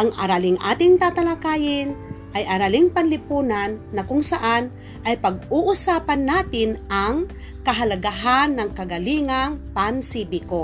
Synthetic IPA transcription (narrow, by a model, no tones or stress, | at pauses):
ʔɐŋʔɐ̰ɾalɪŋʔa̰ːt̪ɪŋt̪at̪ɐlakaːjɪnʔɐjʔɐɾalɪŋpɐnlɪpuːnanːɐkʊŋsaʔan | ʔɐjpɐɡ̚ʊʔʊsaːpanːaːt̪ɪnʔaŋ | kɐɦɐlɐɡaɦanːɐŋkɐɡɐliːŋaŋpansibɪko